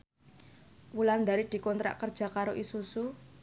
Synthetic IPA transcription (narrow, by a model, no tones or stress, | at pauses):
wuland̪aɾid̪̥i̤kɔnt̪ɾa̰ʔkərd̥ʒ̥a̤kaɾoʔisusu